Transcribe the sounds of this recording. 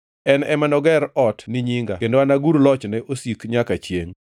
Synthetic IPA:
ɛnɛmanɔɡɛɾɔtniɲiŋɡa̰kendoanaɡuɾlɔt͡ʃnɛʔosikɲakat͡ʃjeŋ

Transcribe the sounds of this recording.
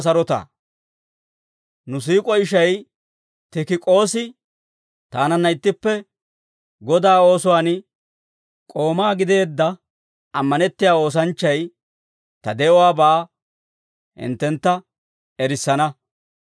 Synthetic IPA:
s̬ɐɾɔt̪a̰ | nʊs̬iːkʼɔɪʃɐj | t̪ɪkɪkʼo̞ːsɪ | t̪aːnɐnːɐɪt̪ːɪpːɛ | ɡɔd̪aːo̞ːsʊwaːn | kʼo̞ːmaːɡɪd̪e̞ːd̪ːɐ | ɐmːɐnɛt̪ːɪjaːo̞ːs̬ɐnt͡ʃːɐj | t̪ɐd̪ɛɔwaːbaː | hɪ̰nt̪ːɛnt̪ːɐ | ɛɾɪsːɐnɐ

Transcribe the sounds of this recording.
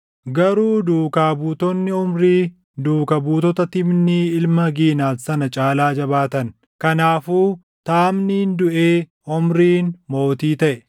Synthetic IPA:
ɡɐɾuːd̪uːkaːbuːt̪ɔnːɪʊmɾiː | d̪uːkɐbuːt̪ɔt̪ɐt̪ɪbniɪlmɐɡiːnaːsɐnɐt͡ʃʼaːlaːd͡ʒɐbaːt̪ɐn | kɐnaːfuː | t̪aːmnɪnd̪ʊʔeː | ʊmɾiːnmo̞ːt̪iːt̪ɐʔɛ

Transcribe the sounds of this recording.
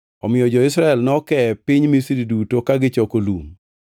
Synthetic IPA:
ɔmɪjɔd͡ʒɔɪsɾaɛlnɔkɛpɪɲmisiɾidutokaɡɪt͡ʃɔkolum

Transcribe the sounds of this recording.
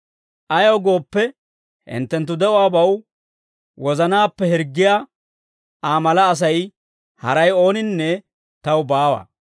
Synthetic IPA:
ʔɐjoːɡo̞ːpːɛ | ʔɪ̰nt̪ːɛnt̪̬ːʊd̪ɛʔɔwaːbɐw | wɔzɐnaːpːɛɦɪɾɡːɪjaː | ʔaːmɐlɐːs̬ɐj | hɐɾɐjo̞ːnɪnːɛ | t̪ɐwbaːwa̰ː

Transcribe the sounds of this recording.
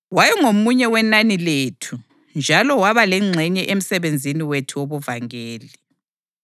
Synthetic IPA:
wajɛŋomuɲɛwɛnanileːtʰu | nd͡ʒʱalɔwaβalɛŋ͡ǀʱɛɲɛʔem̩sɛβend͡zʱiniwetʰuwoβuvaŋeːli

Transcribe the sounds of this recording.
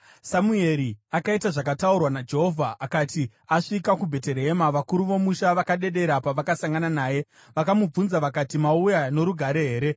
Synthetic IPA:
samue̞ɾiakaitaʐakataurwanad͡ʒe̞ɦo̞vʱaʔːkati | aʂikakubʱe̞te̞ɾeɦemaʋakuɾuʋo̞muʃaʋakaɗe̞ɗe̞ɾapaʋakasaŋɡananaːje̞ | ʋakamub͡vunzaʋakatimaujano̞ɾuɡʱaɾe̞ɦeːɾe̞

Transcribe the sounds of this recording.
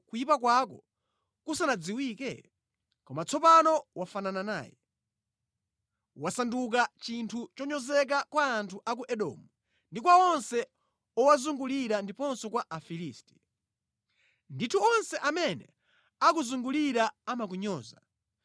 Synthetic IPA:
kujipakwakɔ | kusanad͡ziwiːkɛ̰ | kɔmat͡sʰɔpanɔwafananana̰ːjɛ̰ | wasanduk̬at͡ʃintʰut͡ʃɔɲɔzɛk̬akwaːntʰuʔakuʔɛɗɔ̰ːmu | ndikwaɔnsɛ | ɔwazuŋɡuliɾandipɔnsɔkwaʔafiliːsti̥ | nditʰuɔnsɛʔamɛnɛ | akuzuŋɡuliɾaamak̬uɲɔːza

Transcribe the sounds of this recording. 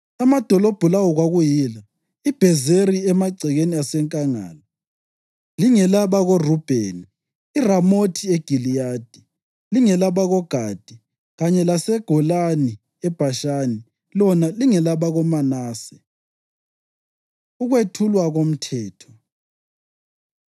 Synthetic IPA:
amad̥ʱɔlɔb̥ʱulawɔɣwaɣujiːla | ib̥ʱɛzeɾiɛmaǀʱɛɣeniasɛŋkʼaŋa̰ːlɔ | liŋɛlaβaɣorub̥ʱeniː | ramotʰieɡ̥ʱilijaːd̥ʱi | liŋɛlaβaɣɔɡ̥ʱad̥ʱi | ɣaɲɛlasɛɡ̥ʱɔlani | ɛb̥ʱaʃaːni | lɔnaliŋɛlaβaɣɔmanaːsɛ̥ | uɣwetʰulwaɣom̩tʰɛːtʰɔ̥

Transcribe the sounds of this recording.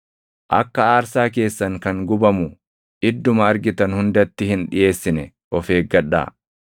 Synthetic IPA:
ʔɐ̰kːɐaːɾsaːke̞ːsːɐŋkɐŋɡʊbɐmʊ | ʔɪd̪ːʊmɐːɾɡɪt̪ɐnhʊnd̪ɐt̪ːɪhɪnᶑɪje̞ːsːɪnɛ | ʔɔfe̞ːɡɐᶑːa̰ː

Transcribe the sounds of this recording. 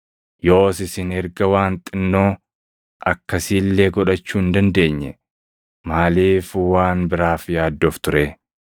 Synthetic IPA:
jo̞ːsɪsɪnɛɾɡɐwaːnt̪ʼɪnːo̞ː | ʔɐkːɐsiːlːeːɡɔᶑɐt͡ʃːuːɪnd̪ɐnd̪e̞ːɲːɛ̰ | maːliːfwaːnbɪɾaːfjaːd̪ːoːft̪ʊɾe

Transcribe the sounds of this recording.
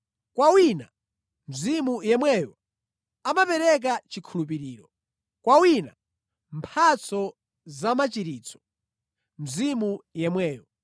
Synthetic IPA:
kwawina | m̩zimujɛmwɛjɔ | amapɛɾɛk̬at͡ʃikʰulup̬iɾiːɾɔ | kwawina | mpʰat͡sɔ | zamat͡ʃiɾiːt͡sʰɔ̥ | m̩zimujɛmwɛːjɔ

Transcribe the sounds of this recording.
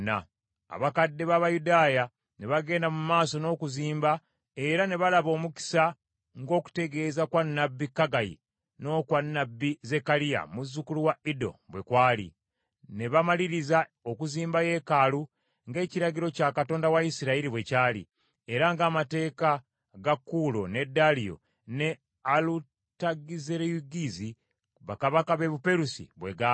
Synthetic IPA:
na̰ | a̰βakadːe̞βaβajudaːja | ne̞βaɡe̞ːndamumaːso̞no̞ːkuziːmba | e̞ɾane̞βalaβo̞ːmuki̥sa | ŋɡo̞ːku̥te̞ɡe̞ːzakwanːabːikːaɡajḭ | no̞ːkwanːabːize̞kalija̰muzːukuluwaido̞̰βwe̞kwaːlḭ | ne̞βamaliɾiza | okuziːmbaje̞kalu | ŋɡe̞ːciɾaɟiɾo̞caːkatoːndawaisiɾaiɾiβwe̞caːlḭ | eɾaŋɡaːmate̞ːka | ɡakːulo̞ne̞dːalijo̞̰ | ne | alu | taɡizeɾejuɡizi | βakaβakaβe̞βupe̞ɾusḭβwe̞̰ɡa

